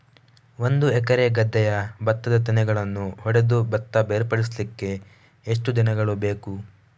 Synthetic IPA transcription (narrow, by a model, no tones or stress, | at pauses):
o̞nd̪uɛkɐɾeɡɐd̪ːɛjɐbɐt̪ːɐd̪ɐt̪inɛɡɐɭɐnːuɦɔɽe̞d̪ubɐt̪ːɐbeːɾpɐɽislikːe̞ | eʂʈud̪inɐɡɐɭube̞ːku